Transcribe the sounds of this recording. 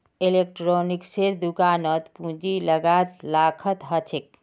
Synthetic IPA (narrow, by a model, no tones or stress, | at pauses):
elek̚ʈɾonikseɾd̪ukanət̪pũd͡ʒiləɡat̪lakʰət̪ɦət͡ʃʰek̚